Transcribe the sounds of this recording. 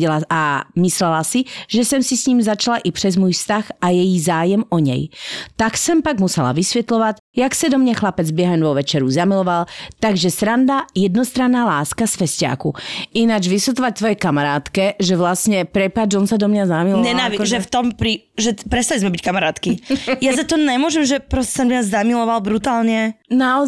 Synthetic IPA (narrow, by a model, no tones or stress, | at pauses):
ɛlaamislɛlasiʒɛsɛmsisɲiːmzat͡ʃalaʔipr̥ɛzmuːjfst̪axajɛjizaːjɛmɔɲɛ̰jt̪aksɛmpaɡmusɛla̰ʋisʋɛt̪lɔʋac | jaksad̪ɔmɲaxlapɛd͡zbjɛɦɛnʋɔʋɛt͡ʃɛɾuzamilɔʋalt̪aɡʒɛsɾand̪ajɛd̪nɔst̪ɾanːaːlaːskasfɛsca̰ːkuinad͡ʒʋisut̪ɔʋac̚t̪ʋɔjɛkamaɾaːt̪kɛʒɛʋlasɲɛpɾɛpad͡ʒɔnsad̪ɔmɲazamilɔɲɛnaːʋiʒɛft̪ɔmpɾi | ʒɛpɾɛt̪st̪alizmɛbickamaɾaːt̪kijazat̪ɔɲɛmʊɔʒɛmʒɛpɾɔsɛ̥sanmiazamilɔʋalbɾut̪aːlɲɛnaɔ